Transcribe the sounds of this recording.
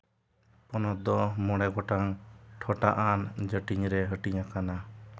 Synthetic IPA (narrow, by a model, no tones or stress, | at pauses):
pɔnɔd̪ɔmɔɽ̃ɛɡɔʈaŋʈʰɔʈaʔand͡ʒəʈiɲɾɛɦəʈiɲakana